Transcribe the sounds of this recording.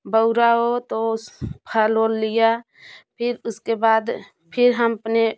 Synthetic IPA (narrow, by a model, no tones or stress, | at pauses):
bəʊɾaɦot̪ospʰəloːlːija | pʰɪɾʊskebaːd̪ | pʰɪɾɦəməpne